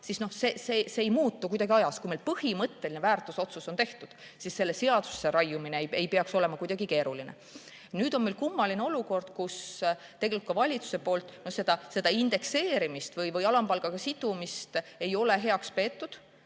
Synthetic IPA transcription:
sisno̞hse̞ːseseːjmuːt̪ːˑukujd̪ɑɡ̥iɑjɑskujmelpɤhimɤt̪ːe̞linevæːrt̪ːˑuso̞t̪suso̞nt̪e̞ht̪ud̪̥ | sisːe̞lːe̞se̞ɑd̪̥u̥sːeɾɑjumineejejpe̞ɑkso̞le̞mɑkujd̪ɑɡ̥ike̞ːɾulinḛ | nyːd̪̥onmelkumːɑlineo̞luko̞rd̪̥kus | t̪eɡe̞likt̪kɑvɑlʲit̪su̥se̞po̞ːlt̪ˑnohse̞d̪̥ɑse̞d̪ɑind̪̥e̞kse̞ːɾimist̪vɯjvɯjɑlɑmpɑlɡ̥ɑɡ̥ɑsid̪̥umist̪e̞jo̞le̞ɦe̞ɑkspe̞ːt̪ːud̪̥

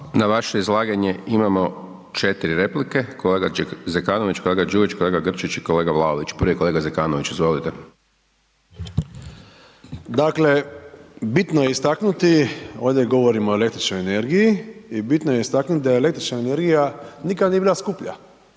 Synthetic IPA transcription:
naʋaʃeizlˠaːɡaɲeimamo̞ | t͡ʃet̪iɾiɾe̞plike̞kʰoleːɡazekaːnoʋit͡ʃkoleɡad͡ʒuːʋit͡ʃko̞leːɡaɡr̩t͡ʃit͡ʃikole̞ːɡaʋlˠaoʋit͡ʃpɾ̩ʋiko̞lˠeɡazekaːnoʋit͡ʃizʋo̞lit̪e | d̪akle̞ | bit̪noje̞ist̪aknut̪io̞ːʋd̪jeɡo̞ʋo̞ɾimoele̞kt̪ɾit͡ʃnojene̞ɾɡijiibit̪noje̞ist̪aknut̪id̪ajele̞kt̪ɾi̥t͡ʃnaene̞ɾɡijanikad̪niebilˠaskupʎa̰

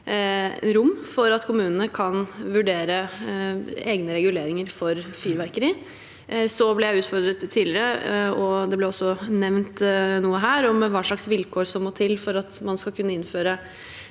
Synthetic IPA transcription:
ɾʊmːfɔɾɑt̪kʰʊmʉːnənəkʰɑnʋʉɖeːɾə | eːɡnəɾɛɡʉleːɾɪŋəɾfɔɾfyːʋæɾkəɾɪ | sɔblɛjæɪʉːt̪fɔɾd̪ɾət̪ʰːiːlɪɾəɔd̪ɛblɛɔsːɔnɛʋnt̪nuːəɦæːɾɔmʋɑːʂɭɑksʋɪlkʰoːʂɔmːɔːt̪ʰɪlfɔɾɑt̪mɑnskɑlkʰʉnːəɪnføːɾə

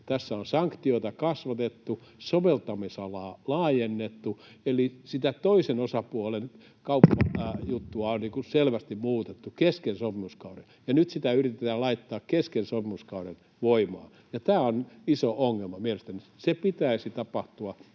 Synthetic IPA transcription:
t̪æsːæonsɑŋkt̪ioit̪ɑkɑsʋɑt̪et̪ːusoʋelt̪ɑmisɑlɑːlɑːjenːet̪ːu | elisit̪æt̪oisenosɑpuolen | kɑupːɑjut̪ːuɑonniːkuselʋæst̪immuːt̪et̪ːukeskensopimuskɑure | jɑnyt̪sit̪æyrit̪et̪æːlɑit̪ːɑːkkeskensopimuskɑuren | ʋoimɑ̰ː | jɑt̪æːonisoʔoŋːelmɑmielest̪ænisepit̪æisit̪ɑpɑht̪uɑ

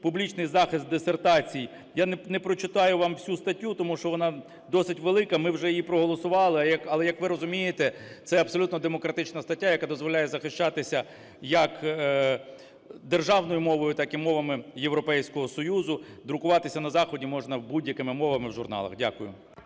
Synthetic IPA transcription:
publʲit͡ʃnɪjzɑxɪst̪̚d̪esert̪ɑt͡sʲij | jannɛpɾɔt͡ʃɪt̪ɑjʊʋɑmfsʲust̪ɐtʲːut̪ɔmuʃt͡ʃɔʋɔnɑ | d̪ɔsɪtʲʋelˠɪkɐmɪwʒɛjijipɾɔɦɔlˠɔsʊʋɑlˠɪjɐkɐlˠɛjɐkʋɪɾɔzʊmʲijet̪ɛ | t̪sɛɐbsɔlʲut̪nɔd̪emɔkɾɐt̪ɪt͡ʃnɐst̪ɐtʲːajɐkad̪ɔzʋɔlʲajɛzɐxɪʃt͡ʃat̪ɪsʲɐ | jɐk | d̪erʒɑʋnɔjʊmɔʋɔjʊt̪ɑkɪmɔʋɐmɪjeʋɾɔpɛjsʲkɔɦɔsɔjuzʊd̪ɾʊkʊʋɑt̪ɪsʲɐnɐzɑxɔdʲimɔʒnɐwbudʲjɐkɪmɪmɔʋɐmɪwʒʊrnɑ̰lˠɐ̰xdʲakʊjʊ̰

